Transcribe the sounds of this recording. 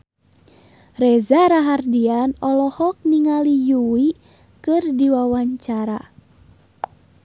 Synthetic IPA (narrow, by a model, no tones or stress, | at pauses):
rɛzaɾaɦardianɔlɔhɔk̚niŋalijuwi | kɨrdiwawaɲt͡ʃaɾa̰